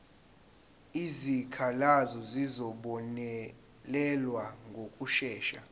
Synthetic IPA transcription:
izikʰalazɔzizɔɓɔnɛ | lɛlwaŋɡʱokʼuʃɛːʃa̰

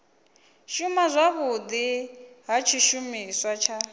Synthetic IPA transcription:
ʃumazʷaβʊd̪iɦat͡ʃʰiʃumiswat͡ʃʰa

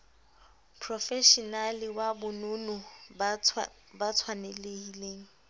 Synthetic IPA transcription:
pʰrɔfɛʃɔnalɪwabʊnʊnʊ | bat͡sʰwanelehileːŋ̩

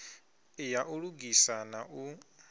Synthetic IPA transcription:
ijaʔuɺuɡisanaʔu

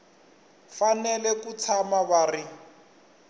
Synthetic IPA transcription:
fanɛlɛkut͡sʰamaβaːri

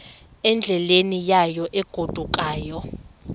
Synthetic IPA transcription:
ɛnd͡ɮʱɛlenijajɔʔɛɡ̥ʱod̥ʱukʼaːjɔ

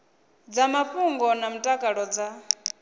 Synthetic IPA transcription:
d͡zamaɸuŋɡɔnam̩tʼakʼaɺɔd͡za

